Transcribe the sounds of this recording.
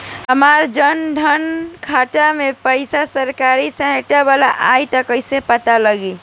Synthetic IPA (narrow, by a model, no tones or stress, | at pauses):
əmaɾd͡ʒənɖʱənkʰaʈamepəɪsasəɾkaɾisə̃ɦeʈabalaʔajt̪əkəjsepət̪aləɡi